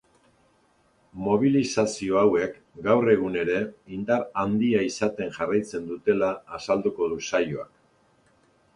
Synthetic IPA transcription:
mo̞β̞ilisasio̞awe̞k | ɡawre̞ɣ̞une̞ɾe̞ind̪aɾand̪iaisat̪e̞ŋʝarajt͡se̞nd̪ut̪e̞laːsald̪uko̞ðusajoa̰k

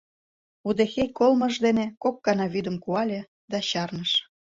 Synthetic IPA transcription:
ud̪exejkolmɤ̆ʃd̪enekokːɑnɑβyd̪ə̆mkuɑlʲe | d̪ɑɕɑrnəʃ

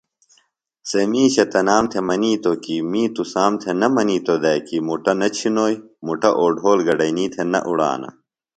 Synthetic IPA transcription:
semiːɕɐt̪ɐnaːmt̪ʰemɐniːt̪okimĩːt̪usaːmt̪ʰenɐmɐniːt̪od̪ɐjkimuʈɐnɐt͡ɕʰinoːjmuʈɐʔoːɖʱoːlɡɐɖɐjniːt̪ʰenɐ̰ʔuɽa̰ːnɐ̰

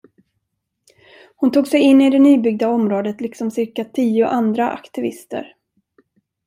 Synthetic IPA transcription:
hʊnt̪uːɡsɛjɪnːɪd̪ɛnyːbʏɡ̚d̪aɔmɾoːd̪ət̪lɪksɔmsɪɾkat̪ʰiːʊʔand̪ɾaʔa̰kt̪ɪvɪ̰st̪ə̰ɾ

